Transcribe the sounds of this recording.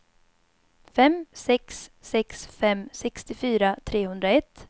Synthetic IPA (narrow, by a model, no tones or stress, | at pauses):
fɛmsɛksːɛksfɛmsɛkst̪ɪfyːɾat̪ʰɾeːhɵnd̪ɾaɛt̪ː